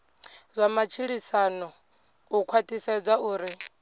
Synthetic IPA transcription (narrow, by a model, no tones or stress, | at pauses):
zʷamat͡ʃʰiɺisanɔ | ukʰwatʼisɛd͡zauːɾi